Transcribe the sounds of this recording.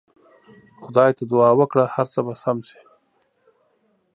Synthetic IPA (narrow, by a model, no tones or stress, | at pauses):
xʊd̪ɑjt̪ad̪ʊɑːwəkɽahaɾt͡səbasamse̥